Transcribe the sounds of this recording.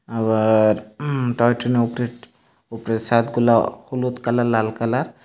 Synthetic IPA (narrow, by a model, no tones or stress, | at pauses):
abaɾʈɔjʈʰɔneupɾe | upɾesat̪ɡulahulut̪kalalalkalaɾ